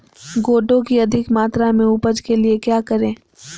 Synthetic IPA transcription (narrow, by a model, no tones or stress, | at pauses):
ɡoːʈõkiɐd̪ʱɪkmaːt̪ɾamẽupəd͡ʒkeliekjaːkɐɾẽː